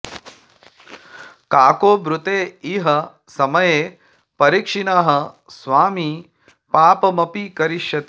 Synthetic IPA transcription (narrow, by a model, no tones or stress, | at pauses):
kaːkoːbɾut̪eːiːɦɐ | sɐmɐjeː | pɐɾikʂinaɦɐ̆ | sʋaːmiː | paːpɐmɐpikɐɾiʃjɐt̪i